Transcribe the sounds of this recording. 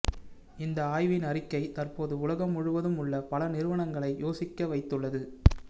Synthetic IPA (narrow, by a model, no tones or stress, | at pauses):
ɪnd̪ɐaːjʋɪnɐrɪkːɐɪt̪ɐrpoːðɯʊlɐɣɐmːʊɻɯʋɐðɯmʊɭːɐpɐlɐnɪɾɯʋɐɳɐŋɡɐɭɐɪjoːsɪkːɐʋɐɪt̪ːɯɭːɐðɯ